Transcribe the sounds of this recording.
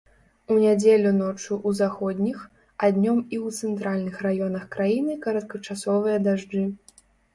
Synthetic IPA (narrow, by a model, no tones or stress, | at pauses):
unʲad͡zʲelʲunɔt͡ʂuʔuzaxɔd̪ʲnʲix | ad̪ʲnʲɔmiwt̪sɛnt̪ɾalʲnɨxrajɔnɐxkɾajinɨkɐɾɐt̪̚kɐt͡ʂasɔvɨjɐd̪aʐd͡ʐɨ